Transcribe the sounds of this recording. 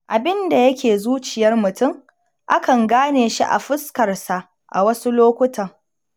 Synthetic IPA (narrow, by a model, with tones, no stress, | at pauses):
ʔa˨bɪ˦nda˨jɐ˦kʲeː˨zuː˦t͡ʃɪ˨jɐ˦rmʊ˨tʊ˦˨m | ʔa˦kɐ˨ŋɡaː˦neː˨ʃḭ˦ʔa̰˨ɸɪ˦skɐ˨rsa˨ʔ | ʔa̰˨wɐ˦su˦loː˦kʷʊ˦tʰɐ˨ŋ